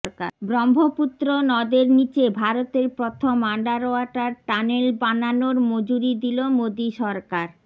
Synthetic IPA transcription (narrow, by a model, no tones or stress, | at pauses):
ɾka̰bɾɔmbʱoput̪ːɾonɔd̪eɾnit͡ɕebʱaɾot̪eɾpɾot̪ʰomaɳɖaɾoaʈaɾʈanelbananoɾmod͡ʑuɾid̪ilomod̪iʃɔɾkaɾ